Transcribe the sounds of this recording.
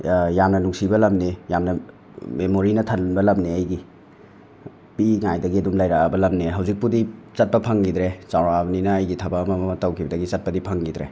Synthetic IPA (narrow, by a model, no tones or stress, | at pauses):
jamnɐnuŋsibɐlɐmnejamnɐ | memoɾinɐtʰɐnbɐlɐmneɐjɡi | piŋajdɐɡiɐdumlajɾaabɐlɐmneɦɐwzik̚pudit͡ʃɐt̚pɐpʰɐŋɡidɾesawɾabɐninɐːjɡitʰɐbaːmɐmmɐtawkʰibɐdɐɡit͡ʃɐt̚pɐdipʰɐŋɡidɾḛ